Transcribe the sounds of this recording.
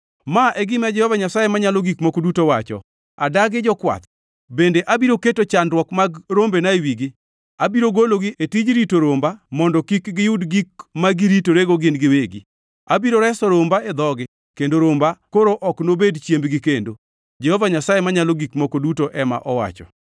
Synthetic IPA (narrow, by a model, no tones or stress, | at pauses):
maʔɛɡɪmɛd͡ʒɛhɔvaɲasajemaɲaloɡikmokodutowat͡ʃɔ̰ | a̰daɡɪd͡ʒɔkwa̰t̪ | bendeʔabiɾoketot͡ʃandɾwɔkmaɡɾombenaewiɡɪ | abiɾoɡoloɡietid͡ʒɾitoɾombamɔndɔkikɡɪjʊdɡik̚maɡiɾitoɾeɡoɡɪnɡɪweɡḭ | abiɾoɾɛsɔɾombaed̪ɔɡɪ | kendoɾombakoɾoʔɔknobedt͡ʃjembɡɪkendo | d͡ʒɛhɔvaɲasajemaɲaloɡikmokodutoʔɛma̰ʔɔwa̰t͡ʃɔ̰